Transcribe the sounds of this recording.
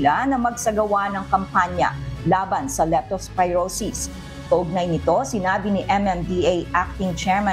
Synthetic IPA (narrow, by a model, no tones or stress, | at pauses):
lanɐmɐɡ̚sɐɡɐwanɐŋkɐmpaɲjɐ̰laːbɐnsɐlɛt̪ospɐjɹosis | k̪ɐʔʊɡ̚najnɪt̪o̞sɪnaːbinɪʔɛmɛmd̪iajʔak̚t̪ɪŋt͡ʃɛɹma